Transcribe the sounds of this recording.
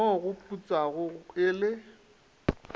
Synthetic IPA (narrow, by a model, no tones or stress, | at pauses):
ɔɣʊpʼut͡sʼaɣʊɪlɪ